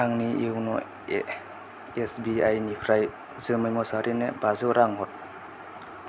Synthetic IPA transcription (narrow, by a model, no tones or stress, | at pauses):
aŋniewnɔ | esbiajnipʰɾaj | zɯmɯjmɔsaɾinebazɯwɾaŋɦɔt̚